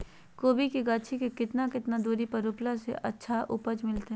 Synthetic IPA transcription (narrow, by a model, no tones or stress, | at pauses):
koːbikiɡaːt͡ʃʰikekɪt̪nakɪt̪nad̪uːɾipɐɾʊplasḛʔɐtːʃʰaʔʊpəd͡ʒmɪlt̪eɦ